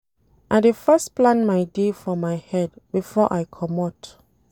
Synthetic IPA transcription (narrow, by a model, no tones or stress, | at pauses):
ʔaɪdefɛsplãnmajdefɔmajhɛdbifɔʔajkʰɔmɔt